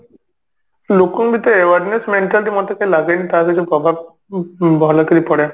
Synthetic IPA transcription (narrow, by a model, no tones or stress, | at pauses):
lokuŋbit̪eewaɾnesmeɳʈalʈimɔt̪ekajlaɡenit̪aakit͡ʃʰupɾɔbʱab̚ | bɔlak̪iɾipɔɽe